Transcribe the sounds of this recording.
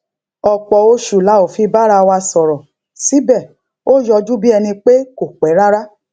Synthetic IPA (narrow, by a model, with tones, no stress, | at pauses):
ɔ˨k͡pɔ˨o˧ʃu˨la˨˦o˨fi˧˦ba˦ɾa˧wa˧sɔ˨ɾɔ˨ | si˨˦bɛ˦˨ | o˦˨jɔ˧d͡ʒu˦bi˦ɛ˧nĩ˧k͡pe˦ko˨k͡pɛ˨˦ɾa˦ɾa˦